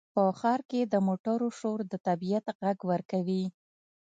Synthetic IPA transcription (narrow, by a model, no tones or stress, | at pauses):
pəxɑɾked̪əmoʈaɾoʃoɾd̪ət̪abijat̪ɣaɡwəɾkawi